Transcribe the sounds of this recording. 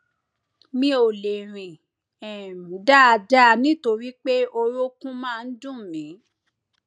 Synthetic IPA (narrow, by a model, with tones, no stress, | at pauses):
mĩ˧o˨le˨ɾ̃ĩ˨ | ɛ˨m˨da˦a˧d͡ʒa˦˧nĩ˦to˧ɾi˦k͡pe˦o˧ɾo˦kũ˦mãː˦˨˧n̩˦dũ˦˨mĩ˨˦